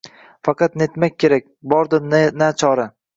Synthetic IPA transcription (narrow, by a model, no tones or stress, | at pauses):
fɑqʰɑt̪net̪mak̚ʲʰːe̞ɾak̚ʲbɒɾd̪ɪnnat͡ʃʰɒɾa